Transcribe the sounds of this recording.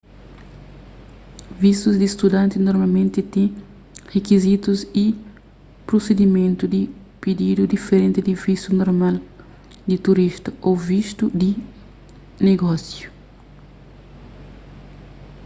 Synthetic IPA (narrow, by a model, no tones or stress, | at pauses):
visuzd̪ist̪ud̪ãnt̪inoɾmalmẽnt̪it̪ẽ | hekizit̪usi | pɾosed̪imẽnt̪ud̪i | pid̪id̪ud̪ifeɾẽnt̪id̪ivisunoɾmal | d̪it̪uɾiʃt̪ɐovist̪ud̪i | neɡɔsju